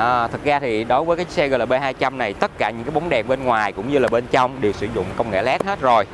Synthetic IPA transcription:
ʔəː˨˩t̪ʰɨ˨˩zaː˧t̪ʰi˨˩ɗo˨˦jvəː˨˦kaː˨˦jsɛ˧ɣə˧˩laː˨˩ɓe˧haː˧jt͡ɕa˧mna˨˩jt̪ə˦˥t̚kaː˧˩ɲɨ̰˧˥ŋkaː˨˦jɓa˨˦ŋ͡mɗɛ˨˩mɓe˧nŋwaː˨˩jkʊ̰˧˥ŋ͡mɲɨ˧laː˨˩ɓe˧nt͡ɕɔ˧wŋ͡mɗe˨˩wsɨ̰˧˩˦zʊ̰˧˨ŋ͡mkə˧wŋ͡mŋɛ̰˧˩lɛ˦˥t̚he˦˥t̚zo˨˩j

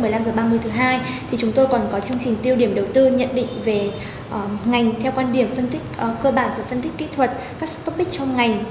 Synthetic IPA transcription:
mɨ˨˩əla˧mzəː˨˩ɓaː˧mɨ˧əjt̪ʰɦaː˧jt̪ʰi˨˩t͡ɕʊ˨˦ŋ͡mt̪o˧jkɔ˨˩nkɔ˨˦t͡ɕɨ˧əŋt͡ɕï˨˩ŋ̟t̪i˧əwɗi˧˩əmɗə˨˩wt̪ɨ˧ɲə̰˧˨nɗḭ˧˨ŋ̟ve˨˩ | ʔŋa˨˩jŋ̟t̪ʰɛ˧wkwaː˧nɗi˨˧˩əmfə˧nt̪ï˦˥k̟̚ʔkəː˧ɓaː˧˩nvaː˨˩fə˧nt̪ï˦˥k̟̚kḭ˧˥t̪ʰwə˨˩t̚ | kaː˦˥k̚t̪ə˦˥k͡p̚ɓï̟˦˥t͡ɕɔ˧wŋ͡mŋa˨˩jŋ̟

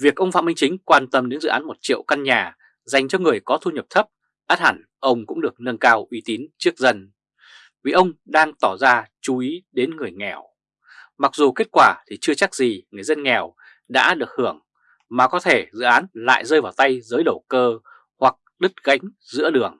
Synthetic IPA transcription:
vi˨˩ək̚ʔə˧wŋ͡mfa̰ː˧˨mï˧ŋt͡ɕï˨˦ŋ̟kwaː˧nt̪ə˧mɗe˨˦nzɨ̰˧˨ʔaː˨˦nmo˨˩t̚t͡ɕḭ˧˨əwka˧nɲaː˨˩ | za˨˩jŋ̟t͡ɕɔ˧ŋɨ˨˩əjkɔ˨˦t̪ʰu˧ɲə˨˩p̚t̪ʰə˦˥p̚ | ʔaː˦˥t̚ha˧˩n | ʔə˧wŋ͡mkʊ̰˧˥ŋ͡mɗɨ˨˩ək̚nə˧nkaː˧wʔi˨˦t̪i˨˦nt͡ɕɨ˦˥ək̚zə˧n | vi˨˩ʔə˧wŋ͡mɗaː˧ŋt̪ɔ˧˩zaː˧t͡ɕu˨˦ʔi˨˦ɗe˨˦nŋɨ˨˩əjŋɛ˨˩w | ma˨˩k̚zu˨˩ke˦˥t̚kwaː˧˩t̪ʰi˨˩t͡ɕɨ˧ət͡ɕa˦˥k̚zi˨˩ŋɨ˨˩əjzə˧nŋɛ˨˩w | ɗa̰ː˧˥ɗɨ˨˩ək̚hɨ˧˩əŋ | maː˨˩kɔ˨˦t̪ʰe˧˩zɨ̰˧˨ʔaː˨˦nla̰ː˧˨jzəː˧jvaː˨˩wt̪a˧jzəː˨˦jɗə˧˩wkəː˧ | hwa˨˩k̚ɗɨ˦˥t̚ɣa̰˧˥jŋ̟ | zɨ̰˧˥əɗɨ˨˩əŋ

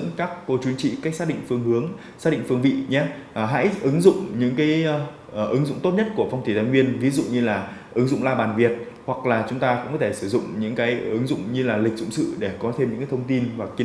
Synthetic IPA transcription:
ŋkaː˦˥kːo˧t͡ɕwi˨˦ənt͡ɕḭ˧˨kaː˦˥k̚saː˦˥ɗḭ˧˨ŋ̟fɨ˧əŋhɨ˨˦əŋ | saː˦˥ɗḭ˧˨ŋfɨ˧əŋvḭ˧˨ɲa˨˦˨ɦa̰ː˧˥jʔɨ˨˦ŋzʊ̰˧˨ŋ͡mɲɨ̰˧˥ŋkaː˨˦j | ʔɨ˨˦ŋzʊ̰˧˨ŋ͡mt̪o˦˥t̚ɲə˦˥t̚ku˧˩əfa˧wŋ͡mt̪ʰi˧˩zaː˧˩ŋwi˧ənvi˨˦zʊ̰˧˨ŋ͡mɲɨ˧laː˨˩ʔɨ˨˦ŋzʊ̰˧˨ŋ͡mlaː˧ɓaː˨˩nvi˨˩ət̚ | hwa˨˩k̚laː˨˩t͡ɕʊ˨˦ŋ͡mt̪aː˧kʊ̰˧˥ŋ͡mkɔ˨˦t̪ʰe˧˩sɨ˧˩zʊ̰˧˨ŋ͡mɲɨ̰˧˥ŋkaː˨˦jʔɨ˨˦ŋzʊ̰˧˨ŋ͡mɲɨ˧laː˨˩lï˨˩k̟̚zʊ̰˧˨ŋ͡msɨ̰˧˨ɗe˧˩kɔ˨˦t̪ʰe˧mɲɨ̰˧˥kaː˨˦t̪ʰə˧wŋ͡mt̪i˧nvaː˨˩kːi˧˨˧

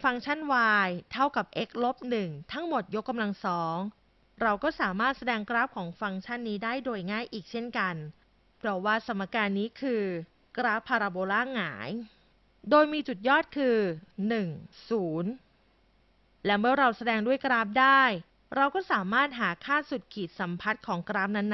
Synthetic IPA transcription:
fa˧ŋt͡ɕʰa˥˩nwaː˧jt̪ʰa˥˩wka˨˩p̚ʔe˦˥k̚lo˦˥p̚nɯ˨˩ŋt̪ʰa˦˥ŋmo˨˩t̪̚jo˦˥kːa˧mla˧ŋsɔː˩˦ŋ | ɾa˧wkɔː˥˩saː˩˦maː˥˩t̪̚sa˧dɛː˧ŋkɾaː˦˥p̚kʰɔː˩˦ŋfa˧ŋt͡ɕʰa˥˩nːiː˦˥daː˥˩jdoː˧jŋaː˥˩jʔiː˨˩k̚t͡ɕʰe˥˩nka˧n | pʰɾɔ˦˥waː˥˩sa˩˦mːa˧kaː˧nːiː˦˥kʰɯː˧ | kɾaː˦˥pʰːaː˧ɾaː˧boː˧laː˥˩ŋaː˩˦j | doː˧jmiː˧t͡ɕu˨˩t̪̚jɔː˥˩t̪̚kʰɯː˧nɯ˨˩ŋsuː˩˦n | lɛ˦˥mɯ˥˩əɾa˧wsa˧dɛː˧ŋdu˥˩əjkɾaː˦˥p̚daː˥˩j | ɾa˧wkɔː˥˩saː˩˦maː˥˩t̪̚ɦaː˩˦kʰaː˥˩su˨˩t̪̚kʰiː˨˩t̪̚sa˩˦mpʰa˦˥t̪̚kʰɔː˩˦ŋkɾaː˦˥p̚na˦˥nː

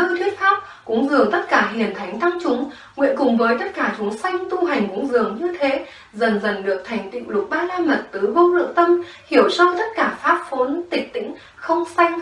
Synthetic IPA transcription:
ɨ˧t̪ʰwi˦˥ət̚faː˦˥p̚ | kʊ̰˧˥ŋ͡mzɨ˨˩əŋt̪ə˦˥t̚kaː˧˩ɦi˨˩ənt̪ʰa˨˦jŋt̪a˧ŋt͡ɕʊ˨˦ŋ͡m | ŋwḭ˧˨ənkʊ˨˩ŋ͡mvəː˨˦jt̪ə˦˥t̚kaː˧˩t̪ʰu˨˦əŋsa˧jŋ̟t̪u˧ɦa˨˩jŋ̟kʊ̰˧˥ŋ͡mzɨ˨˩əŋɲɨ˧t̪ʰe˨˦ | zə˨˩nzə˨˩nɗɨ˨˩ək̚t̪ʰa˨˩jŋ̟t̪ḭ˧˨lʊ˨˩k͡p̚ɓaː˧laː˧mə˨˩t̚t̪ɨ˨˦və˧wlɨ̰˧˨əŋt̪ə˧mhi˧˩əwsɔ˧jt̪ə˦˥t̚kaː˧˩faː˦˥p̚fo˨˦nt̪ï˨˩k̟̚t̪ḭ˧˥ŋ̟ | xə˧wŋ͡msa˧jŋ̟

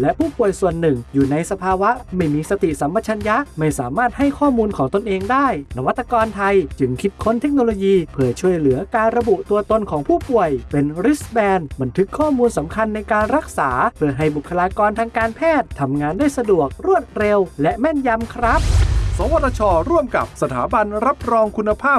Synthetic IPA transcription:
lɛ˦˥ʔpʰuː˥˩pu˨˩əjsu˨˩ənːɯ˨˩ŋjuː˨˩na˧jsa˧pʰaː˧wa˦˥ʔma˥˩jmiː˧sa˧t̪i˨˩sa˩˦mpa˧˥t͡ɕʰa˧nja˦˥ʔma˥˩jsaː˩˦maː˥˩t̪̚ha˥˩jkʰɔː˥˩muː˧nkʰɔː˩˦ŋt̪o˧nʔeː˧ŋdaː˥˩jna˧wa˦˥t̪ːa˧kɔː˧nt̪ʰa˧jt͡ɕɯ˧˩ŋkʰi˦˥t̪̚kʰo˧˥˨nt̪ʰe˦˥k̚noː˧loː˧jiː˧pʰɯ˧˥˩ɐt͡ɕʰu˧˥˩əjlɯ˩˦ɐkaː˧nɾa˧bu˨˩ʔt̪u˧ɐt̪o˧nkʰɔː˩˦ŋpʰuː˥˩pu˨˩əjpe˧nɾi˦˥sbɛː˧nba˧nt̪ʰɯ˦˥kʰːɔː˥˩muː˧nsa˩˦mkʰa˧nːa˧jkaː˧nɾa˦˥k̚saː˩˦pʰɯ˥˩ɐɦa˥˩jbu˨˩kʰːa˧laː˧kɔː˧nt̪ʰaː˧ŋkaː˧npʰɛː˥˩t̪ʰːa˧mŋaː˧ndaː˥˩jsa˧du˨˩ək̚ɾu˥˩ət̪̚ɾe˧wlɛ˦˥ʔmɛ˥˩nja˧mkʰɾa˦˥p̚sɔː˨˦wa˧˩t̪ʰːa˧t͡ɕʰɔː˧ɾu˥˩əmka̰˨˩p̚sa˧t̪ʰaː˩˦ba˧nɾa˦˥p̚ɾɔː˧ŋkʰu˧nːa˧pʰaː˥˩p

